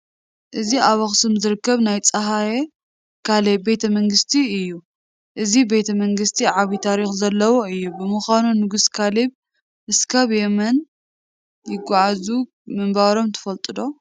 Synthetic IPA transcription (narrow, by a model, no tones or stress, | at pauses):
ʔɨziʔaβɐxsɨmzɨɾɨkːɐβnajt͡sʼɐɦaje | kʰalebːe̞t̪ʰɐmɐŋɡɨst̪ʰiɨjːu | ʔɨzibe̞t̪ʰɐmɐŋɡɨst̪ʰiʕaβit̪ʰaɾixzɐlːɐwoɨjːubɨmɨxanunɨɡuskʰaleβ | ʔɨskʰaβjɛmɐn | jɪɡaʕazu | mɨmbaɾo̞mt̪ʰɐ̥fɐlt̪ʼɨd̪o̞